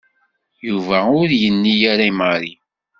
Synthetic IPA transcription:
juvæʊɾjənːijaɾaiməɾi

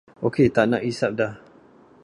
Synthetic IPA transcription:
oket̪aʔnaʔisap̚dah

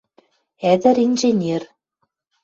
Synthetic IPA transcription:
æd̪ɘ̆ɾinʲʒenʲer

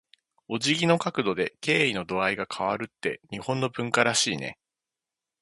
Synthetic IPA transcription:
o̞ʑiɡʲino̞kakɯ̟d̪o̞d̪e̞ke̞ːino̞d̪o̞aiɡakʰaβ̞aɾɯ̟t̪ːe̞ɲ̟ihõ̞nːo̞bɯ̟̃ŋkaɾaɕiːne̞̰

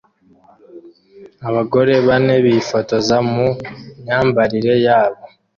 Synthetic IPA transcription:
aβaɡo̞ɾe̞βaneβifoto̞zamuɲaːmbaɾiɾe̞jaːβo

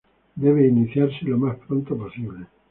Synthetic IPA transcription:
d̪eβeiniθjarsilːamahpɾont̪apasjone

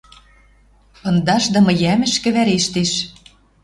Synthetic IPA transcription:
ɤ̆nd̪ɑʃd̪ɤ̆mɤ̆jæmɘ̆ʃkɘ̆βæɾeʃt̪eʃ

